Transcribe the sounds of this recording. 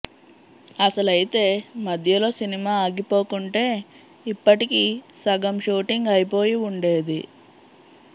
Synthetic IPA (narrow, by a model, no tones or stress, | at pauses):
ɐsɐlɐjit̪e̞ːmɐd̪ʱjɐlo̞ːsinimaːaːɡipo̞ːkuɳʈe̞ː | ipːɐʈikisɐɡɐmʃuːʈiŋɡɐjipo̞ːjiuɳɖe̞ːd̪i